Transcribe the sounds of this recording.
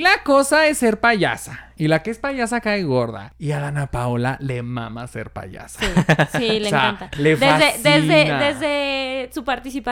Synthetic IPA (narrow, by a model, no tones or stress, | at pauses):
lako̞sae̞sːe̞ɾpaʝa̰sailakeespaʝas̬akajɣo̞ɾða̰iaðanapaola̰lema̰mase̞̰ɾpa̰ʝa̰sḁsilseant̪aled̪eaed̪ezeðezðesupaɾt̪isipa